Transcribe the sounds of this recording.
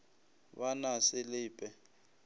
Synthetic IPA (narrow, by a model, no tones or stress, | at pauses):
banasɪlɪːpʼɛ